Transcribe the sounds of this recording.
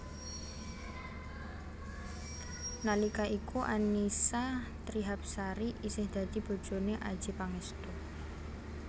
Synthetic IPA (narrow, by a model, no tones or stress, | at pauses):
nalikaʔikuʔanisa | t̪ɾiɦap̚saɾiʔisɪhd̪̥ä̤d̪̥ib̥o̤̥d͡ʒo̤neʔa̰̥d͡ʒ̥ipaŋɛst̪u